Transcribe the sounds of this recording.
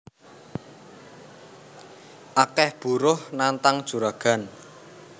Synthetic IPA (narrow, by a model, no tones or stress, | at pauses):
ʔakɛhb̥uɾʊhnant̪aŋd̥ʒ̥ṳɾaɡ̥a̤n